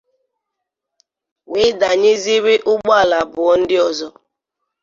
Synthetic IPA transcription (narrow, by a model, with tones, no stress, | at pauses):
wɪ˦da˨ɲe˦zi˦ɾi˦ʔʊ˦ɡ͡ba˦˨la˨bʊ˨ɔ˦n̩˦dɪ˦ɔ˨zɔ˦